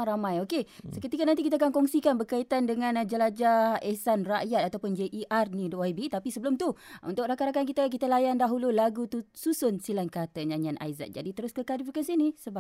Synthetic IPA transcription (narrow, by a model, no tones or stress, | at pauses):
ɾamãjokesəkət̪ikanant̪ikit̪akankɔŋsikanbərkait̪andəŋãnd͡ʒəlad͡ʒaesanraʔjat̪̚at̪awpʊnd͡ʒeʔiʔarnĩdoajbit̪apisəbəlʊmt̪uṵnt̪ʊk̚ɾakaɾakank̬it̪ək̬it̪alajandaɦululaɡut̪ususʊnsilankat̪əɲãɲanʔa̰jza̰t̪̚d͡ʒa̰dit̪əɾʊskəkalifikansinisəba